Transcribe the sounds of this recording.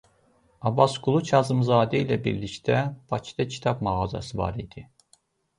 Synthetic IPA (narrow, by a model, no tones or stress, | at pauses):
ɑbɑsɡulˠut͡ʃʰɑzɯmzɑːd̪ɛilæbiɾlict̪æb̥ɑcʰi̥d̪ɑcʰi̥t̪ʰɑbmɑʁɑzɑ̰sɯvɑ̰ɾid̪̥i